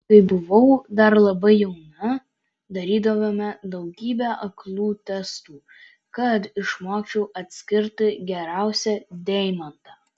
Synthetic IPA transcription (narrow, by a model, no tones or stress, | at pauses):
kɐɪbʊʋɐʊd̪ɐɾlˠɐbɐɪjɛʊnɐ | d̪ɐɾʲiːd̪ɐʋomʲɛd̪ɐʊɡʲiːbʲɛʔɐklˠuːt̪ʲɛst̪uː | kɐt̪ɪʃmoːkt͡ʃʲɛʊʔɐt̪ʲsʲkʲɪɾt̪ɪɡʲɛɾæˑʊsʲɛd̪ʲɛɪmɐnt̪ɐ